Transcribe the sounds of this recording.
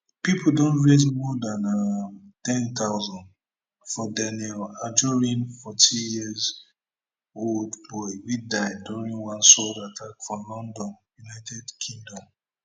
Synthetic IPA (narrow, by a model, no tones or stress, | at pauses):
pipʰuldɔ̃ntɹezmɔdãnatɛ̃nt̪aʊzɔ̃nd | fɔdɛnɛlad͡ʒɔɹĩnfɔtʰijiəz | oldbɔɪwidaɪduɹĩnwãnsɔldatʰakfɹɔ̃mlɔ̃ndɔ̃njunaɪtʰɛdkʰĩŋdɔ̃m